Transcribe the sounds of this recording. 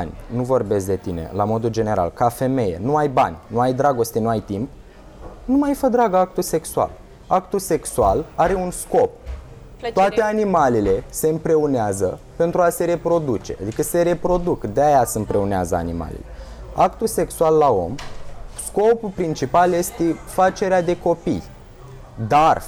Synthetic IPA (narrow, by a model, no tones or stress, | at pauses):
nʲnuvo̞rbe̞sd̪e̞t̪ine̞̰lamo̞d̪uld͡ʒe̞ne̞ɾa̰lkafe̞me̞je̞̰nuajbanʲnuajd̪ɾaɡo̞st̪enuajt̪imp̚ | numajfəd̪ɾaɡəak̚t̪use̞ksua̰l | akt̪use̞ksualaɾe̞unsko̞p̚ | t̪oat̪e̞animalile̞se̞ɨmpɾe̞oneazəpe̞nt̪ɾuase̞ɾe̞pɾo̞d̪ut͡ʃe̞̰a̰d̪ikəse̞ɾe̞pɾo̞d̪ukd̪eajasɨmpɾe̞onea̰zəa̰nḭma̰lḛle̞ | akt̪use̞ksualːao̞̰msko̞pulpɾint͡ʃipalje̞st̪efat͡ʃe̞ɾead̪e̞ko̞pḭj | d̪ar